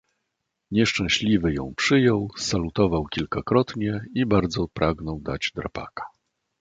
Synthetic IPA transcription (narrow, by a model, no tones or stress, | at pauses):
ɲɛʂt͡ʂɛ̃w̃ɕlʲivɘjɔ̃w̃pʂɘjɔwsalut̪ɔvawkʲilkakɾɔt̪ɲɛibaɾd̪zɔpɾaɡnɔwd̪ad͡ʑd̪ɾa̰pa̰kḁ